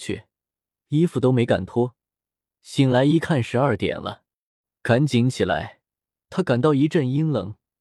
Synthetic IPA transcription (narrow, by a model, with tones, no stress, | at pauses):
t͡ɕʰy̰˥˩ | i˥fu˨˩t̪o˥ʊme˧˥ɪka̰˨˩nt̪ʰwɔ˥ | ɕi˧˩ŋla˧˥ɪi˧˥kʰa˥˩nʂɻ̩˧˥ɐ˞˥˩t̪jɛ̰˨˩nlə̰˦ | ka˧˥nt͡ɕi˧˥ŋt͡ɕʰi˨˩la̰˧˥ɪ | t̪ʰa˥ka˨˩nt̪̬ɑ˥˩ʊi˧˥ʈ͡ʂə˥˩ni˥ŋlɤ̰˧˥ŋ